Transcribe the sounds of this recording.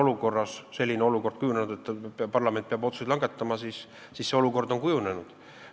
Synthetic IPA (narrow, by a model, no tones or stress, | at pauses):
o̞luko̞rːɑsse̞lʲːineo̞luko̞rd̪̥̚kujunenud̪̥e̞t̪ːˑpɑrlɑme̞nt̪̚peɑbot̪susjd̪lɑŋɡ̥e̞t̪ːɑmɑsisː | iːsse̞o̞luko̞rd̪o̞nkujune̞nud̪̥